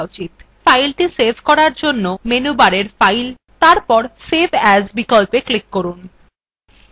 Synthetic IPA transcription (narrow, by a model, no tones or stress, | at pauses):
ot͡ɕit̪ | fajlʈisebʱkɔɾaɾd͡ʑonːomenubaɾeɾfajl | t̪aɾpɔɾsebʰʱɛd͡ʑbikɔlpeklikːoɾun